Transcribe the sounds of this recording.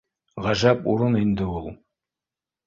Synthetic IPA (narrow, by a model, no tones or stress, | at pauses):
ʁɑʒɑpuɾɤnind̪ɘulˠ